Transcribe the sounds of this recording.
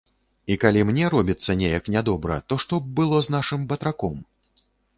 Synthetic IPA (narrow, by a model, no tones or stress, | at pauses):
ikalʲimnʲɛɾɔbʲit̪sːɐnʲɛjɐknʲad̪ɔbɾɐ̰t̪ɔʂt̪ɔb̚bɨlˠɔznaʂɨmbɐt̪ɾakɔm